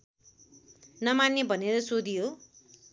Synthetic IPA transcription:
nʌmanːjebʱʌneɾʌsod̪ijo

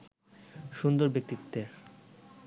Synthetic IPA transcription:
ʃund̪oɾbek̚t̪it̪ːe

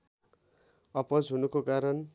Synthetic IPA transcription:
ʌpʌd͡zɦunukokaɾʌn

